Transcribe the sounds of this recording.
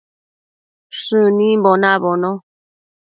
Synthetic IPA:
ʂɨnĩmbonãβonõ

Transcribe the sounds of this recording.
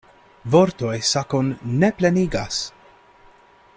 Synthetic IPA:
vo̞ɾto̞jsakonːeple̞niɡas

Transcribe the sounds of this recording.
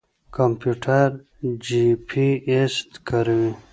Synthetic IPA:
kampjuʈʰaɾ | d͡ʑipʰiest̪kəɾwi

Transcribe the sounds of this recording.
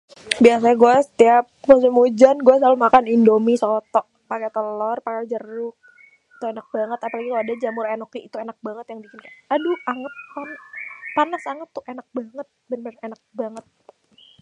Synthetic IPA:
bias̬aɲaɡuɛsə̥t̪iap̚mus̬imud͡ʒanɡuɛsalumakanindomisɔt̪ɔʔ | pakɛt̪əlɔrpakɛd͡ʒərʊk̚ | t̪uenak̚baŋət̪apalaɡikaladad͡ʒamʊrenɔkiit̪uenak̚baŋət̪jaŋbikɪnkaaduaŋət̪̚kanpanasaŋət̪ːʊʔenak̚baŋət̪̚bənbənenak̚baŋət̪̚

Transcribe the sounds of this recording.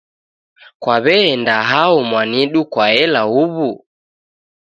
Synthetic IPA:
kwaβɛːndaɦaɔmwaniɗukwaɛlauβu

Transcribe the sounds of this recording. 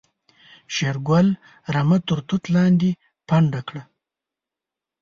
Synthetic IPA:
ʃeɾɡwal | ɾamat̪ʊɾt̪ut̪lɑnd̪i | paɳɖakɽa

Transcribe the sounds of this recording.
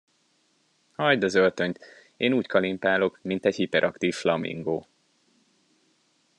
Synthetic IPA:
hɒjd̪ɒzølt̪ø̞ɲt̪ | eːnuːckʰɒlimpaːlo̞kmint̪ɛɟhipɛɾʔɒkt̪iːflɒmḭŋɡoː

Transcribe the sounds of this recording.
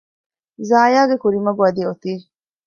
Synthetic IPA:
zaːjaːɡekuɾimɐɡuɐd̪iot̪iː

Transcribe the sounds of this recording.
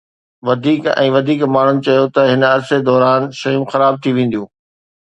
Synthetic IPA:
ʋɐd̪ʱiːkɛ̰̃ːʋɐd̪ʱiːkmaːɳ̤ʊnɪ̆t͡ɕɐjot̪ɐɦɪnɐɾsed̪ɔːɾaːnʃɐjũxɐɾaːb̚t̪ʰiʋẽːn̆d̪jũː

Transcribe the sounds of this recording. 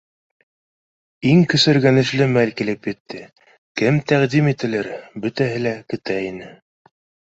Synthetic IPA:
iŋkɵ̆sɘ̆ɾɡænɘ̆ʃlɘmælkilɘpjɘ̆t̪ʰːɘ | kɘmt̪æʁd̪imit̪ɘ̆lɘɾbɵ̆t̪æɦɘlækɵ̆t̪æinɘ

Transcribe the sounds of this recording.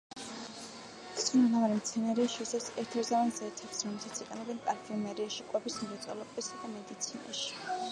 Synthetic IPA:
t̪ʰsʰʼunlavaɾimt̪sʰɛnaɾɛaʃiisasɛɾt̪ʰɛɾzavanzɛt̪ʰapsɾɔmlɛlˠsat̪sʰiqʼɛnɔbɛnpʼaɾfʰimɛɾiaʃiqʼwɛbismɾɛt̪sʼɔlˠɔbisad̪amɛd̪it̪sʰina̰ʃi̥

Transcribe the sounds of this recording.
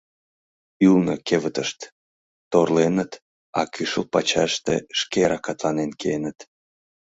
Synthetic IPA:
ylnokeβət̪əʃt̪ | t̪orlenət̪ | ɑ̰kyʃəlpɑt͡ɕɑʃt̪ḛʃkeɾɑkɑt̪lɑnenkenət̪

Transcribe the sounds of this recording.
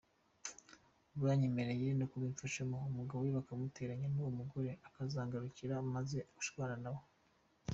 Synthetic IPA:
uβaːɲimeɾejiɾenokuβiːnfaʃomoumuɡaβowiβakamute̞ːɾaɲenuwomuɡo̞ɾe̞akazaːŋɡaɾuciɾamaze̞uʃwaːɾanawo

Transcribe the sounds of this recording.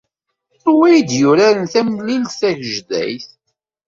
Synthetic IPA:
wæjd̪jʊɾæɾənθæmlilsæʝʒðæ̰jθ

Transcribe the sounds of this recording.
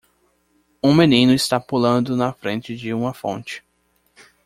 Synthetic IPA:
ũmenĩnʊɪst̪apulɐ̃nd̪ʊnɐfɾẽnt͡ʃɪd͡ʒɪũmɐfõ̰nt͡ʃɪ̥

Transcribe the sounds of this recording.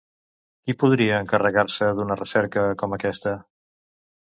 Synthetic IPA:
kipuð̞ɾiəːŋkərəɣaɾsəðunərəsɛɾkəkɔməkɛst̪ə

